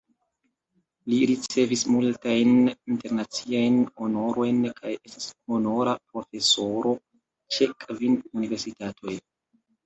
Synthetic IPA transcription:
liɾit͡se̞vismultajninte̞ɾnat͡siajno̞no̞ɾʔo̞jnkʰaje̞sti̥shono̞ɾapɾo̞fe̞so̞ɾo̞ | t͡ʃekvinunive̞ɾsitatʰo̞j

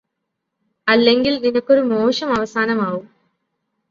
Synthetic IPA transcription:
ɐlːeŋɡilninɐkːoɾumoːʂɐmɐʋɐsaːnɐmaːʋum

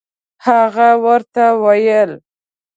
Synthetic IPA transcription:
haɣawəɾt̪awajəl

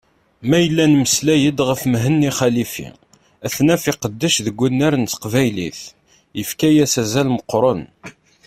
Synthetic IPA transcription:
mæjəlːænməslæjəd̪ʁəfmɦənːiχælifḭ | æθnæfiqəd̪ːəʃðəɡʷːunːæɾənt̪qvæjliθ | jəfkæjæsæzælməqːɾˤon

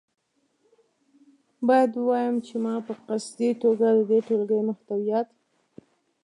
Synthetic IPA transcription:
bɑjad̪wuwɑjəmt͡ʃemɑpəqasd̪iʈoɡad̪əd̪eʈolɡəjmʊxt̪awijat̪

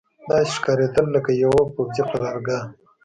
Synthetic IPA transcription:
d̪ɑʃkɑɾed̪əlːəkajawopozipaɾɑɾɡa

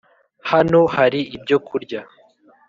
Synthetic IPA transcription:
hano̞haɾiʔibɟo̞kʰuɾɟa

